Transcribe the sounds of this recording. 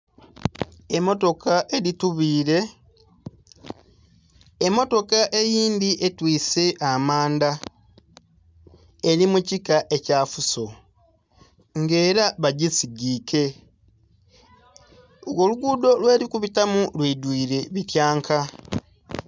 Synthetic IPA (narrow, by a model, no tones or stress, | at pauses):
emːo̞to̞kʰaʔe̞ɾituβiːɾe̞ | emːo̞to̞kaʔe̞jiːnd̪iʔe̞twiːse̞ʔamaːnda | ɾimucikaʔecaːfuso̞ | ŋɡe̞ːɾaβaɟisiɡiːke̞ | ɣoluɡuːdo̞lwe̞ːɾikuβitamulwiːdwiːɾe̞βitjaːŋkʰa